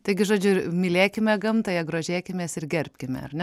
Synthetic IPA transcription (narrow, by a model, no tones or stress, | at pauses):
t̪ɐɪɡʲɪʒoːd͡ʒʲʊɪmʲɪlʲeːkʲɪmʲɛɡɐmt̪ɐjɛɡɾoːʒʲeːkʲɪmʲeːsɪrɡʲɛrʲpʲkʲɪmʲɛ̰ɐ̰rnʲɛ